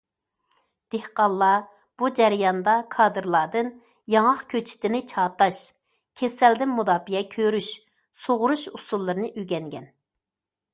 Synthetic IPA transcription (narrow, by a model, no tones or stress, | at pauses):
d̪̥ehqɑlˠːɑ | b̥ud͡ʒɛɾɪjɑnd̪ɑkʰɑːd̪ɨɾlˠɑːd̪ɨn | jɑŋɑχkʲʰøt͡ʃʰi̥t̪ʰɪnɪt͡ʃʰɑːt̪ɑʃ | kʲʰesɛld̪ɪnmud̪ɑːpijɛkʲʰøɾyʃ | soʁʊɾuʃusulˠːɨɾɨnɨʔyɡʲɛŋɡʲɛn